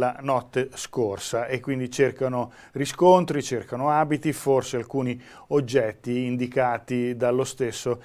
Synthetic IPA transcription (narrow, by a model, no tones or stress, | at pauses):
anɔt̪ːeskorsaʔekːwind̪it͡ʃerkano | riskont̪ɾit͡ʃerkanoaːbit̪iforsealkuːni | od͡ʒːɛt̪ːiːnd̪ikaːt̪id̪alːost̪esːo